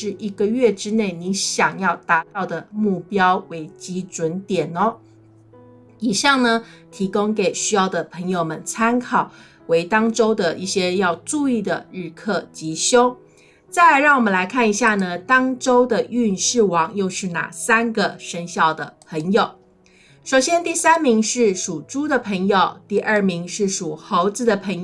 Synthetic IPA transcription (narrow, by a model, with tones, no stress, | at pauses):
ʂɻ̩˥˩i˧˥ɡə˧ɥɛ˥˩ʈ͡ʂɻ̩˥ne˥˩ɪni˧˥nɕjɑ˨˩ŋjɑ˥˩ʊt̪a˧˥t̪ɑ˥˩ʊd̪ə˩mu˥˩pjɑ˥ʊwe˧˥ɪt͡ɕi˧˥ʈ͡ʂwə˧˥nt̪jɛ˨˩nɔ˦ | i˨˩ʂɑ˥˩ŋnə˩t̪ʰi˧˥kʊ˥ŋke˨˩ɪɕy˥jɑ˥˩ʊd̪ə˩pʰə˧˥ŋjo˨˧ʊmə˦nt͡sʰa˥nkʰɑ˨˩ʊ | we˧˥ɪt̪ɑ˥ŋʈ͡ʂo˥ʊd̪ə˨ʔi˥˩ɕjɛ˥jɑ˥˧ʊʈ͡ʂu˥˧i˥˩d̪ə˩ɻɻ̩˥˧kʰɤ˥˩t͡ɕi˧˥ɕjo˥ʊ | t͡sa˥˩ɪ˧ɻɑ˥˩ŋwɔ˨˩mə˦nla˧˥ɪkʰa˥˩ni˧˥ɕja˥˩nə˩t̪ɑ˥ŋʈ͡ʂo˥ʊd̪ə˨y˥˧nʂɻ̩˥˩wɑ˨˩˦ŋjo˥˧ʊʂɻ̩˥˩na̰˨˩sa˥nɡə˨ʂə˥ŋɕjɑ˥˩ʊd̪ə̰˩pʰə˧˥ŋjo˨˩ʊ | ʂo˨˩ʊɕjɛ˥nt̪i˥˩sa˥nmi˧˥ŋʂɻ̩˥˩ʂu˨˩ʈ͡ʂu˥d̪ə˨pʰɤ˧˥ŋjo˨ʊt̪i˥˧ʔə˞˥˩mi˧˥ŋʂɻ̩˥˩ʂu˨˩xo˧˥ʊt͡sɹ̩˧˥d̪ə˨pʰə˧˥ŋ